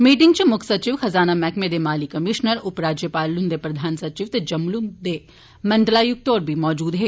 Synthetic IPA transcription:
miːʈɪ̃ŋɡ̚t͡ʃemʊkʰsɐt͡ʃiʋxɐzaːnamɛːkmeːd̪emaːlikɐmɪʃnəɾʊpɾaːd͡ʒjəpaːlːʊnd̪epɾɐd̪ʱaːnsɐt͡ʃiʋt̪ɐd͡ʒɐmlumd̪e | mɐ̃ɳɖlaːjʊk̚t̪oːɾbʱimɔːd͡ʒuːd̪ɦɛː

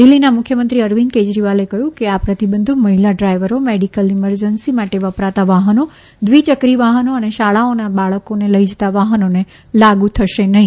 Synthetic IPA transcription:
d̪ɪlːinamʊkʰjəmənt̪ɾiəɾʋinked͡ʒɾiʋalekɐɦjũkeapɾət̪ibə̃nd̪ʱumɐɦilaɖɾaiʋəɾomeɖikəlɪməɾd͡ʒənsimaʈeʋəpɾat̪aʋaɦəno | d̪ʋit͡ʃəkɾiʋaɦənoəneʃaɭaonaɓaɭəkoneləid͡ʒt̪aʋaɦənone | laɡut̪ʰəʃenɐɦĩ

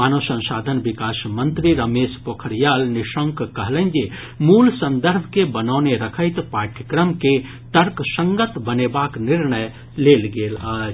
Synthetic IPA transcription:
maːnosə̃nsad̪ʱənbikasmənt̪ɾiɾəmespokʰəɾjalniʃəŋkkəɦlənd͡ʒe | mulsə̃nd̪əɾbʱkebənaʊneɾəkʰəjt̪paʈʰəkɾəmke | t̪əɾksəŋɡət̪bənebakniɾnəj | lelɡelaːd͡ʒ

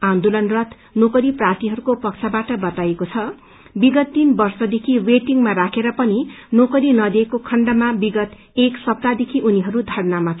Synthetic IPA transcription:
ãnd̪olʌnrʌt̪ | nokʌɾiprat̪iɦʌɾukopʌkt͡sʰabaʈʌbʌt̪ajekot͡sʰʌ | biɡʌt̪ːinbʌrsʌd̪ekʰiweʈiŋɡmarakʰeɾʌpʌninokʌɾinʌd̪iekokʰʌɳɖʌmabiɡʌt̪ | eksʌprad̪ekʰiʔuniɦʌɾud̪ʱʌrnamat͡sʰ

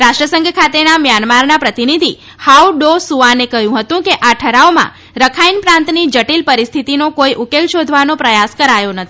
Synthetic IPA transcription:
ɾaʃʈɾəsəŋɡʱkʰat̪enamjanmaɾnapɾət̪inid̪ʱi | hawɖosuʋanekəɦjũɦət̪ũkeʔaʈʰəɾaomã̰ | ɾəkʰainpɾãnt̪nid͡ʒəʈilpəɾist̪ʰit̪inokojʔukelʃod̪ʱʋanopɾəjaskəɾajonət̪ʰii̥

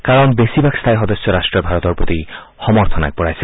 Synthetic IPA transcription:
kaɾɔnbesibʱakst̪ʰajxɔd̪osːɔɾaʃʈɾɔɾbʱaɾɔt̪ɔɾpot̪i | xɔmɔɾt̪ʰɔna̰k̚bɔɽajse

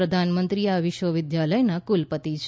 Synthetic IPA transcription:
əd̪ʱanmənt̪ɾiaʋɪʃʋəʋɪd̪jaləjnakulpət̪it͡ʃʰ

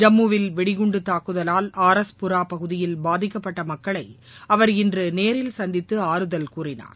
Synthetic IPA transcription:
d͡ʒɐmːuʋɪlʋɛɽɪɣʊɳɖɯt̪ːaːkːɯðɐlaːlaːɾɐspʊɾaːpɐɣɯðɪjɪlbaːðɪkːɐpːɐʈːɐmɐkːɐɭɐɪ | ɐʋɐɾɪndrɯneːɾɪlsɐnd̪ɪt̪ːɯaːɾɯðɐlkuːrɪna̰ːɾ

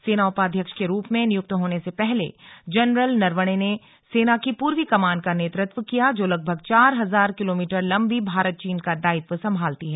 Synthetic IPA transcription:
seːnaʊpaːd̪ʱjəkʃkeɾuːpmẽnɪjʊk̚t̪ɦoːnesepɛɦlḛd͡ʒɛnɾəlnɐɾʋəɽ̃ene | seːnakipuːɾʋikɐmaːnkaneːt̪ɾɪt̪ʋəkijad͡ʒoːlɐɡ̚bʱəɡt͡ʃaːɾɦɐzaːɾkɪloːmiːʈəɾlɐ̃mbʱibʱaːɾət̪̚t͡ʃiːnkad̪aːɪt̪ʋəsɐ̃mbʱaːlt̪iɦɛː

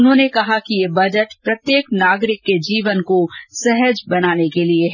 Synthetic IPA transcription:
ʊnɦõːnekɐɦakijebɐd͡ʒəʈpɾɐt̪jeːknaːɡɾɪkːed͡ʒiːʋənkosɛɦəd͡ʒbɐnaːnekelieɦɛ

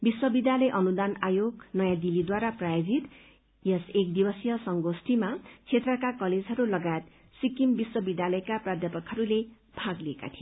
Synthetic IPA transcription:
biswʌbid̪jalʌjʔʌnud̪anajoɡnʌjãd̪ilid̪waɾaprajod͡zit̪ | jʌsek̚d̪ibʌsjʌsʌŋɡosʈimat͡sʰet̪rʌkakʌled͡zɦʌɾulʌɡajet̪ | sikimbiswʌbid̪jalʌjkaprad̪ʱjʌpʌkɦʌɾule | b̥ʱaɡlieka̰t̪ʰijo

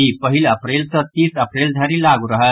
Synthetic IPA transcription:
ipəɦiləpɾelt͡sət̪iːsəpɾeld̪ʱaɾiːlaɡuɾəɦə

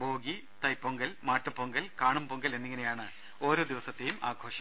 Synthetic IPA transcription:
bo̞ːɡi | t̪ɐjpːoŋɡɐlmaːʈːɨpːoŋɡɐlkaːɳumpoŋɡɐle̞nːiŋːɐnejaːɳɨ | o̞ːɾo̞ːd̪iʋɐsɐt̪ːejumʔa̰ːɡʱo̞ːʂɐm

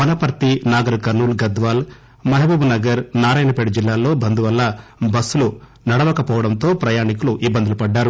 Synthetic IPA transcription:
mɐnɐpɐɾt̪inaːɡɐɾɐkɐɾnuːlɡɐd̪ʋaːl | mɐɦɐbɐbunɐɡɐɾnaːɾaːjnɐpeɽud͡ʒilːaːlːo̞ːbɐnd̪uʋɐlːɐbɐsːulu | nɐɽɐʋɐkɐpɔːʋɐɽɐnt̪o̞ːpɾɐjaːɳikuluʔibːɐnd̪ɐlɐpɐɖːaːɾu

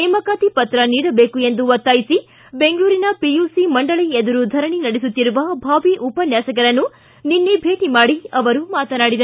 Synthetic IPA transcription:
nɛːmɐkaːt̪ipɐt̪ɾɐniːɽɐbe̞ːkue̞nd̪uʋɐt̪ːaːjisi | beŋɡɐɭuːɾinɐpijuːsimɐɳɖɐɭied̪ɐɾud̪ʱɐɾɐɳinɐɽesut̪ːiɾuʋɐbʱaːʋiʔupɐnjaːsɐk̬ɐɾɐnːu | ninːebʱe̞ːʈimaːɽiɐʋɐɾumaːt̪ɐnaːɽid̪ɐ

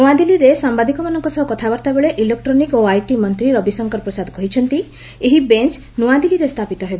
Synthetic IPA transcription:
nuad̪iliɾesambad̪ikɔmanɔŋkɔsɔɦɔkɔt̪ʰabaɾt̪abeɭeʔilek̚ʈɾɔnikoajʈimɔnt̪ɾiɾɔbisɔŋkɔɾpɾɔsad̪kɔɦit͡ʃʰɔnt̪i | eɦibent͡ʃ | nuad̪iliɾest̪ʰapit̪ɔɦebɔ

